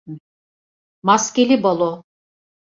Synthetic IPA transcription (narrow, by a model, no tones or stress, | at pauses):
maskʲelʲibolˠo